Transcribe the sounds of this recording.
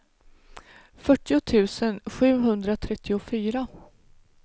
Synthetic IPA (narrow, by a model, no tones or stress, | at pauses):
fœʈːɪʊt̪ʰʉ̟ːsənɧʉ̟ːɦɵnd̪ɾat̪ʰɾɛt̪ʰːɪʊfyːɾa